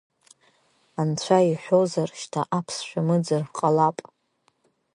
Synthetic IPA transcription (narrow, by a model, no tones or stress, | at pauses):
ant͡ɕʷʰaiħʷozarʃtʰaʔapʰsʃᶣamɨd͡zarqʼalapʼ